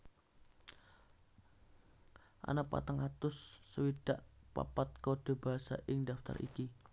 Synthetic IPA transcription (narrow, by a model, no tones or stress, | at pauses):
ʔa̰napa̰t̪aŋat̪ʊsːəwid̥aʔpa̰pat̪̚koɖ̥o̤b̥aɦasa̰ʔɪŋdaft̪a̰rʔḭki